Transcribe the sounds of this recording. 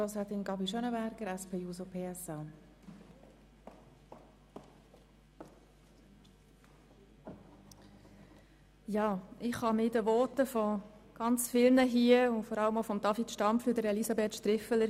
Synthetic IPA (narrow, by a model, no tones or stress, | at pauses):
ɔsɛt̪ɪnɡɑbiʃœnəbæɾɡ̥əɾæspʰeːjuːsopʰeːɛsɑː | jɑːɪχhɑmɪdəʋɔt̪əfɔɡ̥ɑnt͡sfɪlnəɦiəʊfɔɾɑlːəmofɔmd̥̪ɑfit̪ʃtɑmflyːd̪əɾɛlisɑbeːt̪ʃt̪ɾɪfələɾ